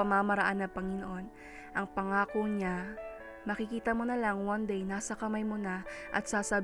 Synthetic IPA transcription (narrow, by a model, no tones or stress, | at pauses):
ɐmaːmɐɾɐʔanːɐpɐŋɪnoʔo̞n | ʔɐŋpɐŋaːkoɲa | mɐkɪkiːt̪ɐmonɐlaŋwɐnd̪ejnaːsɐkɐmajmonaʔɐ̰t̪̚saːsɐ